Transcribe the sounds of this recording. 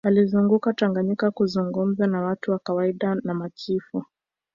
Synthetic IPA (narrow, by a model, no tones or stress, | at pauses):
alizuŋɡukataŋɡaɲikakuzuŋɡum̩zanawatuwakawaiɗanamakʰifu